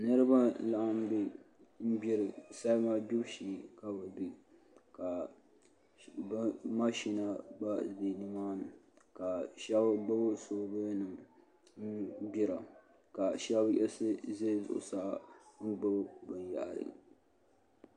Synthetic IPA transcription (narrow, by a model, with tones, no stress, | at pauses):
nɨ˦ɾɨ˦ba˦la˨ʔa˦m˦bɪ˦ | m̩˦bɪ˦ɾɨ˨sa˦ma˦bi˦bʃiː˦˨ka˦ba˨bi˦ | ka˨ | bma˦ʃi˦na˦ba˦de˨nɨ˦maː˦nɨ˨ | ka˨ʃɛ˦bɡ͡bɨ˦bʊ˦soː˦bɨ˦nɨ˨m | m̩˦bi˦ɾa˨ | ka˨ʃɛ˦bʔɛ̰˦lsɨ˦ze˦zʊ̰˨ʔʊ̰˨sa˦ŋ̩˦ɡ͡bɨ˦bbɨ˨nja̰˨ʔɾɨ̰˨